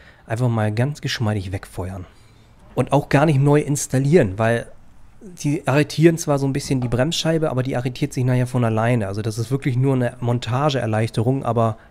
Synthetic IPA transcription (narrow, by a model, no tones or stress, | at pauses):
ʔaɪnfaχmaːlɡant͡sɡ̥əʃmaɪɾɪçvɛkfɔʏɐn | ʔʊntaʊxɡ̥aːɐnɪçtnɔʏʔɪnstaliːʁənvaɪl | d̥iːʔaʁ̞etʰiːʁənt͡sv̥aːɐzoːnbɪsçəndiːbʁɛmsʃaɪbəʔa̰ːbɐdiːʔaʁetʰiːɐtz̥ɪçnaheːɐfɔnalaɪnəʔalzodasɪstv̥ɪɐklɪçnuːɐnəmɔntʰaːʒəɛ̰ɐlaɪçtəʁʊŋʔa̰ːbɐ